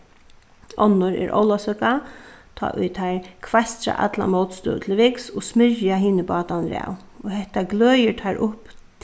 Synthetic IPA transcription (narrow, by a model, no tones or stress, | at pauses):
ɔnːʊɹɛ̰ɾʔɔ̰wlasœkat̪ʰɔ̰ːʔʊ̰jt̪ʰaɹkʰvajst̪ɾa̰ʔa̰t̪la̰mɔwt̪st̪œ̰wt̪ʰɪlʋɪksɔsmɪɹjaɦiːnəbɑːt̪anɾa̰w | ɔɦɛht̪aɡlœːjət̪ʰaːɾʔʊpt̪